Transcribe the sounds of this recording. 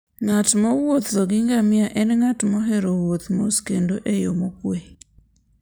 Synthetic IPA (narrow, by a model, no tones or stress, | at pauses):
ŋatmɔwot̪zɔɡɪŋɡamɪaʔɛnŋatmɔɦɛɾowot̪moskendoʔejomokwe